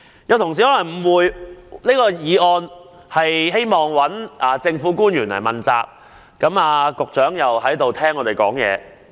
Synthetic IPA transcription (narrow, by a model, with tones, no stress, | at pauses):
jɐ˨˧wt̪ʰʊ˨ŋsiː˨˩hɔː˨˥lɐ˨˩ŋm̩˨˩wuː˨˧jneː˥kɔː˧jiː˨˧ɔː˧n | hɐ˨jɦe˥jmɔː˨ŋwɐ˨˥naː˨t͡sɪ˧ŋfuː˨˥kuː˥njyː˨˩nlɐ̰˨˩jmɐ˨˩nt͡sa̰ː˨˧k̚ː | ɐ˨˧˥maː˧kʊ˨k̚t͡ʃœː˨˥ŋjɐ˨whɐ˨˥jt̪o˨wt̪ʰɛː˥ŋːɔː˨˧t̪e˨jkɔ̰ː˨˥ŋjɛ̰ː˨˧